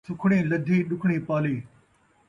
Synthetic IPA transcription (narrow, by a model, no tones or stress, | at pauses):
sʊkʰɽẽːlɐd̪ʱeːɗʊkʰɽ̃ẽːpaːleː